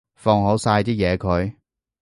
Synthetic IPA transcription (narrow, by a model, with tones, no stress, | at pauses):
fɔː˧ŋɦo˨˥wsaː˧jt̪iː˥jɛː˨˧kʰɵ˨˧ɥ